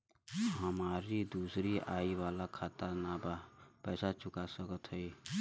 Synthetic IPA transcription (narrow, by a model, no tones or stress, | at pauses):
ɦəmaːɾid̪uːsɾiʔaːiwaːlakʰaːt̪anabapɛːsat͡ʃʊkasəkət̪ɦəi